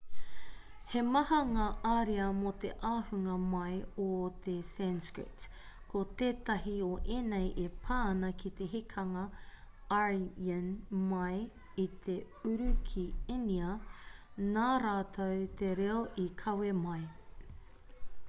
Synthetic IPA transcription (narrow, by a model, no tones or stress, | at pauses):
hemɐhɐŋaːʔaːɾiɐmot̪eʔaːhʉŋɐmɐjot̪esɛnskɹɪ̰t | kʰot̪eːt̪ɐɦioʔeːnejʔepʰaːnɐkʰit̪e̞ɦikʰɐŋɐaɹənmɐj | it̪ʰe | ʉɾʉkʰiiniɐ | naːɾaːt̪ʰowt̪eɾeoʔikʰɐwemɐj